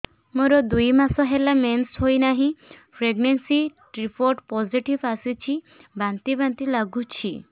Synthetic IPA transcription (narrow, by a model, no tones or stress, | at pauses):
moɾɔd̪ujmasɔɦelamenshojnaɦĩpʰɾeɡnensiʈɾipʰoɾʈpɔziʈibasit͡ʃʰi | bant̪ibant̪ilaɡut͡ʃʰḭ